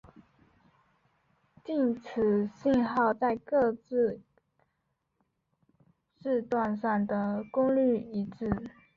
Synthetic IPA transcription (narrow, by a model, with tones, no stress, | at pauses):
t͡ɕi˥˩nt͡sʰɹ̩˨˩˦ɕi˥˧nxɑ˥˧ʊt͡sa˥˧ɪkɤ˥˧t͡sɹ̩˥˧ | ʈ͡ʂɻ̩˥˧t̪wa˥˧nʂɑ˥˩ŋd̪ə˩kʊ˥ŋly˥˩i˧˥t͡sɹɻ̩˥˩